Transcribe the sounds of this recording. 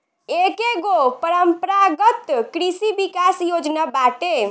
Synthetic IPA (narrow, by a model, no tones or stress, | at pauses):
ekeɡopəɾəmpəɾaɡət̪kɾisibikasjod͡ʒnabaʈe